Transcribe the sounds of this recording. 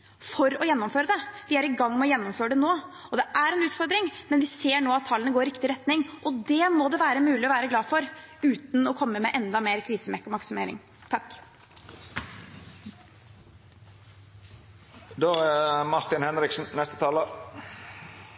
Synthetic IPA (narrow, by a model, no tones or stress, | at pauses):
fɔɾɔjɛnːɔmføːɾəd̪ɛʋɪæɾɪɡɑŋːmɛɔjɛnːɔmføːɾəɖ̪ɛnoː | ɔd̪ɛʔæɾɛnʉːt̪fɔɾd̪ɾɪŋmɛnʋɪseːɳoːɑt̪ʰːɑlːənəɡoːɾɾɪkt̪ɪɾɛt̪nɪŋʔɔd̪ɛmɔd̪ɛʋæːɾəmʉːlɪɔʋæːɾəɡlɑːfɔɾʉːt̪n̩ɔkʰɔmːəmɛʔɛnd̪ɑmeːɾkʰɾiːsəmɛkːɔmɑksɪmeːɾɪ̰ŋ | t̪ʰɑk | d̪oːæmɑʈ̪ɪnhɛnɾɪksn̩nɛst̪ə̥t̪ʰɑːlə